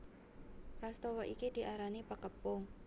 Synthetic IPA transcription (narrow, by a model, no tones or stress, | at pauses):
rast̪ɔwɔʔikid̪̥i̤ʔaɾanipəkəpʊŋ